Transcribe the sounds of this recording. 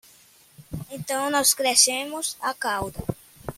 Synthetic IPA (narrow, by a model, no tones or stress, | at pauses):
ẽnt̪ɐ̃w̃nɔskɾesẽmʊsakawd̪ɐ